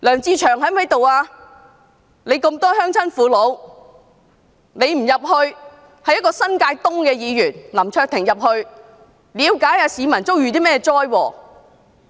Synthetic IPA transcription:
lœː˨˩ŋt͡siː˧t͡ʃʰœː˨˩ŋɦɐ˨˥jmɐ˨˥jt̪o˨waː˧ | ne˨˧jkɐ˧mt̪ɔː˥ɦœː˥ŋt͡sʰɐ˥nfuː˨˥lo˨˧w | ne˨˧jm̩˨˩jɐ˨p̚hɵ˧ɥ | hɐ˨jɐ˥kɔː˧sɐ˥nkaː˧jt̪ʊ˥ŋkɛː˧jiː˨˧jyː˨˩nlɐ˨˩mt͡ʃʰœː˧k̚t̪ʰɪ˨˩ŋjɐ˨p̚hɵ˧ɥ | liː˨˧wkaː˨˥jaː˧siː˨˧mɐ˨˩nt͡so˥wjyː˨t̪iː˥mɛː˥˧t͡sɔː˥jwɔː˧˩

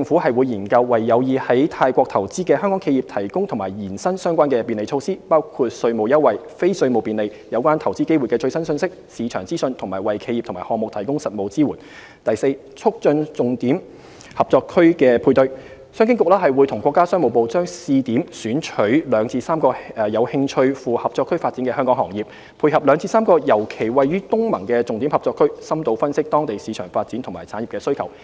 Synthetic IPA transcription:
t͡sɪ˧ŋfu˨˥hɐ˨jwu˨˧jːiː˨˩nkɐ˧wːɐ˨jːɐ˨˧wjiː˨˧hɐ˨˥jt̪ʰaː˧jkʷɔː˧k̚t̪ʰɐ˨˩wt͡siː˥kɛː˧hœː˥ŋkɔ˨˥kʰe˧jiː˨p̚t̪ʰɐ˨˩jkʊ˥ŋt̪ʰʊ˨˩ŋmaː˨˩jjiː˨˩nsɐ˥nsœː˥ŋkʷaː˥nkɛː˧piː˨nle˨jt͡ʃʰo˧wsiː˥paː˥wkʰu˧t̚sɵ˧ɥmo˨wjɐ˥wɐ˨j | fe˥jsɵ˧ɥmo˨˩wpiː˨nle˨˧j | jɐ˨˧wkʷaː˥nt̪ʰɐ˨˩wt͡siː˥ke˥jwu˨jkɛː˧t͡sɵ˧ɥsɐ˥nsɵ˧nsɪ˥k̚siː˨˧t͡ʃʰœː˨˩ŋt͡siː˥sɵ˧nt̪ʰʊ˨˩maː˨˩jwɐ˨jkʰe˧jiː˨p̪̚ʰmaː˨˩hɔː˨ŋm˨k̚t̪ʰɐ˨˩jkʊ˥ŋsɐ˨t̚mo˨wt͡siː˥wuː˨˩n | t̪ɐ˨jse˧j | t͡sʰʊ˥k̚t͡sɵ˧nt͡sʊ˨ŋt̪iː˨˥m | hɐ˨p̚t͡sɔː˧kʰɵ˥ɥkɛː˧pʰuː˧jt̪ɵ˧ɥ | sœː˥ŋkɪ˥ŋkʊ˨k̚lɛː˥ɦɐ˨jwu˨˧jt̪ʰʊ˨˩ŋkʷɔː˧kːaː˥sœː˥ŋmo˨wpo˨wt͡sœː˥ŋsiː˧t̪iː˨˥msyː˨˥nt͡ʃʰɵ˨˥ɥlœː˨˧ŋt͡siː˧saː˥mkɔː˧˨jɐ˨˧whɪ˧ŋt͡ʃʰɵ˧ɥfuː˨hɐ˨p̚t͡sɔː˧kʰːɵ˥ɥfaː˧t̚t͡siː˨˥nkɛː˧ɦœː˥ŋkɔ˨˥ŋhɔː˨˩ŋjiː˨˩p̚ | pʰuː˧jhɐ˨p̚lœː˨˧ŋt͡siː˧˥saː˥mkɔː˧jɐ˨˩wkʰe˨˩jwɐ˨jɥyː˥t̪ʊ˥ŋmɐ̰˨˩ŋkɛː˧t͡sʊ˨ŋt̪iː˨˥mhɐ˨p̚t͡sɔː˧kʰɵ˥ɥsɐ˥mt̪o˧wfɐ˥nsɪ˥k̚t̪ɔː˥ŋt̪e˨jsiː˨˧t͡ʃʰœː˨˩ŋfaː˧t̚t͡siː˨˥nt̪ʰʊ˨˩ma̰ː˨˩jt͡sʰaː˨˥nji˨pkɛː˧sɵ˥ɥkʰɐ˨˩w

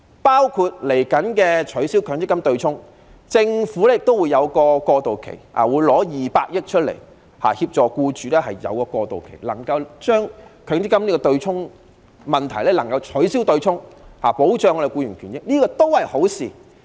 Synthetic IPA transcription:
paː˥wkʰu˧t̚le˨˩jkɐ˨˥nkɛː˧t͡ʃʰɵ˨˥ɥsiː˥wkʰœː˨˧ŋt͡s̪ɪ˥kːɐ˥mt̪ɵ˧ɥt͡sʰʊ˥ŋ | t͡sɪ˧ŋfuː˨˥lɛ˥jɪ˨k̚t̪o˥wuː˨˧jɐ˨˧wkɔː˧kɔː˧t̪o˨wkʰḛ˨˩ja̰ː˨˩wuː˨˧jlɔː˨˥jiː˨˩paː˧k̚jɪ˥k̚t͡ʃʰt̚lḛ˨˩j | ha̰ː˨˩hi˧p̚t͡ʃt͡sɔː˨˧kuː˧t͡ʃyː˨lɛː˥ɦɐ˨jjɐ̰˨˧wkɔː˧kɔː˧t̪o̰˨wkʰe˨˩jlɐ˨˩ŋkɐ˧wt͡ʃœː˥ŋkʰœ˨˧˥ŋt͡s̪ɪ˥kːɐ˥mniː˥kɔː˧t̪ɵ˧ɥt͡sʰʊ˥ŋ | mɐ˨˩nt̪ʰɐ˨˩jlɛː˦˥lɐ˨˩ŋkɐ˧wt͡ʃʰɵ˨˥ɥsiː˥wt̪ɵ˧ɥt͡sʰʊ˥ŋhaː˨˩po˨˥wt͡ʃœː˨˧ŋ˧˥˨kuː˧ɥyː˨˩nkʰyː˨˩njɪ˥k̚niː˥kɔː˧t̪o˥whɐ˨jho˨˥wsḭː˨

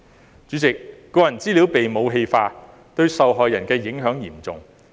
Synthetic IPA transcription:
t͡ʃy˨˥t͡sɪ˨k̚ː | ɔː˧jɐ˨˩nt͡siː˥li˨˥wpe˨jmo˨˧wɦe˧jfaː˧ | t̪ɵ˧ɥsɐ˨wɦɔː˨jːɐ˨˩nkɛː˧jɪ˨˥ŋɦœː˨˥ŋjiː˨˩mt͡sʊ˨ŋ

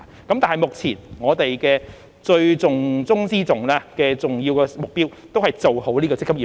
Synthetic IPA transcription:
kɐ˨˥mt̪aː˨nɐ˩jmʊ˨k̚t͡sʰiː˨˩nŋɔː˨˧t̪e˨jkɛː˧ | t͡sɵ˧ɥt͡sʊ˨ŋt͡sʊ˥ŋt͡siː˥t͡sʊ˨ŋlaː˧kɛː˧t͡sʊ˨ŋji˧wkɛː˧mʊ˨k̚piː˥wt̪o˥whɐ˨jt͡so˨who˨˥wliː˥kɔ˧t͡sɪ˥kːɐ˥i˨˩

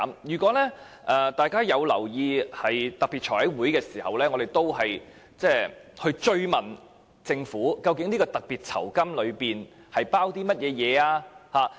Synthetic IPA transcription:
mjyː˨˩kʷɔː˨˥lɛː˥ | ʔɛ˨t̪aː˨jkaː˥jɐ˨˧wlɐ̰˨˩wjiː˧hɐ˨jt̪ɐ˨k̚piː˨t̚t͡ʃʰɔː˨˩hɐ˨˥jwuː˨˥jkɛː˧siː˨˩hɐ̰˨wlɛː˥ŋɔː˨˧ɾe˨jt̪o˥wɦɐ˨j | t͡sɛː˥˩hɵ˧ɥt͡sɵ˧ɥmɐ˨˩n | t͡sɪ˧ŋfuː˨˥kɐ˧wkɪ˨˥ŋni˥kɔː˧t̪ɐ˨k̚piː˨t̚t͡sʰɐ̰˨˩wkɐ˥mlɵ˨˧ɥpiː˨n | hɐ˨jpaː˥wt̪iː˥mɐ˥t̚jɛː˨˧jɛː˨˧aː˧haː˨˧

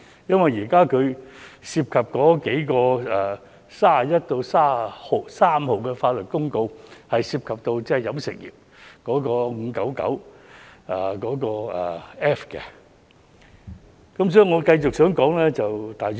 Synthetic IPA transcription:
jɐ˥nwɐ˨˩jjiː˨˩kaː˥kʰɵ˨˧ɥsiː˧p̚kʰɐ˨p̚kɔː˨˥ke˨˥jkɔː˧ɛː˨˩ | saː˥a˨jɐ˥t̚t̪o˧wsaː˥˨ho˨˩saː˥mho˨wkɛː˧faː˧t̚lɵ˨t̚kʊ˥ŋko˧whɐ˨jsiː˧p̚kʰɐ˨p̚t̪o˧wt͡sɛ˥ɛ˨˩jɐ˨˥msɪ̰˨k̚jḭː˨˩p̚ | kɔː˨˥kɔː˧ŋ̩ː˨˧kɐ˨˥wkɐ̰˨˥w | ɛ˨˩kɔː˨˥kɔː˧ɛ̰˨˩ɛː˥fkɛ˧ | kɐ˨˥msɔː˨˥i˨ŋɔː˨˧kɐ˧jt͡sʊ˨k̚sœː˨˥ŋkɔː˨˥ŋlɛː˥t͡sɐ˨wt̪aː˨j

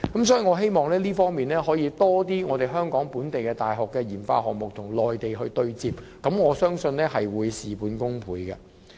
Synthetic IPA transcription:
kɐ˨˦msɔː˨˥jiː˨˧ŋɔː˨˧ɦe˥jmɔː˨˩ŋlɛː˥liː˥fɔː˥ŋmiː˨nlɛː˥ɦɔː˨˥jiː˨˧t̪ɔː˥t̪iː˥ŋɔː˨˧t̪e˨˩jɦœː˥ŋkɔː˨˥ŋpuː˨˥nt̪e˨jkɛː˧t̪aː˨jɦɔː˨kːɛː˧jiː˨˩nfa̰ː˧ɦɔː˨k̚mʊ˨k̚t̪ʰʊ˨˩ŋlɔː˨˩jt̪e˨jɦɵ˧ɥt̪ɵ˧ɥt͡siː˧p̚ | kɐ˨˥mŋɔː˨˧sœː˥ŋsɵ˧nlɛː˥ɦɐ˨jwuː˨˧jsiː˨puː˨˧nkʊ˥ŋpʰuː˨˧jkɐ˧

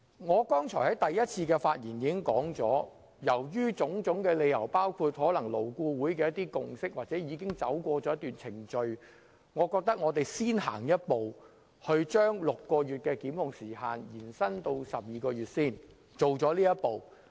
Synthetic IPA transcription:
ŋɔː˨˧kɔː˥ŋt͡ʃʰɔː˨˩hɐ˨˥jt̪ɐ˨jjɐ˥t̚t͡sʰiː˧kɛː˧faː˧t̚jiː˨˩njiː˨˧kɪ˥ŋkɔː˨˥ŋt͡sɔː˨˥ | jɐ˨˩wjyː˥t͡sʊ˨˥ŋt͡sʊ˨˥ŋkɛː˧le˨˧jjɐ˨˩wpaː˥wkʰuː˧t̚hɔː˨˥lɐ˨˩ŋlo˨˩wkuː˧wuː˨˥jkɛː˧jɐ˥t̪iː˥kʊ˨ŋsɪ˥k̚waː˨t̚t͡sɛː˨˥jiː˨˧kɪ˥ŋt͡sɐ˨˥wkʷɔː˧t͡sɔː˨˥jɐ˥t̪yː˨nt͡sʰɪ˨˩ŋt͡ʃɵ˧ɥ | ŋɔː˨˧kɔː˧k̚t̪ɐ˥k̚ŋɔː˨˧t̪e˨jsiː˥nɦa̰ː˨˩ŋjɐ˥t̚po˨w | hɵ˧ɥt͡ʃœː˥ŋlʊ˨kːɔː˧ɥyː˨t̚kɛː˧kiː˨˥mhʊ˨ŋsiː˨˩haː˨njiː˨˩nsɐ˥nt̪o˧wsɐ˨p̚jiː˨kɔː˧jyː˨˩t̚siː˥˩n | t͡ʃo˨˩wt͡sɔː˨˥liː˥jɐ˥t̚po˨w

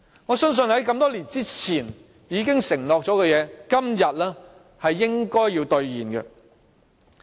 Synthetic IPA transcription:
ŋɔː˨˧sœ˥ŋs̬ɵ˧nhɐ˨˥jkɐ˧mt̪ɔː˥liː˨˩nt͡siː˥t͡sʰiː˨˩n | jiː˨˧kɪ˥ŋsɪ˨˩ŋlɔː˨k̚t͡ʃɔː˨˥kɛ˧jɛː˨˧kɐ˥mjɐ˨t̚lɛː˥ | hɐ˨jːɪ˥ŋkɔː˥jːiː˧wt̪ɵ˧ɥjiː˨˩nkɛ̰˧

